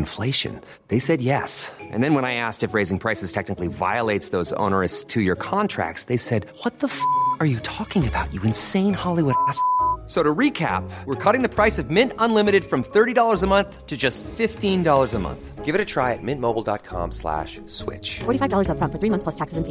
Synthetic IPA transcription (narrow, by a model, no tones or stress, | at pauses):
nfleɪʃɨ̰̃n | ðeɪsɛd̚jɛsʔɨ̰̃nðɨ̃nwə̃ñaɪæstɨfɹeɪzɪ̃ŋpʰɹ̥aɪsɨz̥tʰɛk̚nɨkliva̰ɪəleɪtsðoʊzõ̰ʊnə˞ɨstʰɨjə˞kʰɑ̃ntʰɹ̥æ̰k̚tsðeɪsɛd̚wʌt̪̚ðəfə˞jɨtʰɔkɪ̃ŋɨbaʊt͡ʃɨɨ̃nsẽɪ̃nhɑlˠiwʊɾæssoʊɾɨɹikʰæ̰pwəɹkʰɔɾɪ̃ŋðɨpʰɹ̥aɪsʌvmɪ̃ntə̃nlɪ̃mɨɾɨd̥fɹʌ̃mθɜ˞ɾidɔlˠə˞zəmʌ̃nθtʰɨd͡ʒʌstfɪftĩndɔlˠə˞zəmʌ̰̃nθɡ̥ɪvɨɾɨtʰɹ̥aɪɨt̚mɪ̃nmoʊbl̩ˠdɑ̰t̚kʰɑ̰̃mslæ̰ʃ | swɪ̰t͡ʃfɔɹɾifaɪvdɔlˠə˞zəfʌ̃nfə˞θɹimʌ̃θpʰlʌstʰæksɨsni